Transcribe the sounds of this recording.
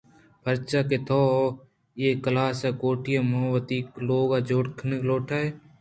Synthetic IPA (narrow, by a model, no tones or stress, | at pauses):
pʰəɾt͡ʃaːket̪ʰoːo | jeːkəlaːsɛːkoːʈɪjaːmoɦʋət̪iːkloːɡaːd͡ʒoːɽkʰnəkloːʈʰaːɦeː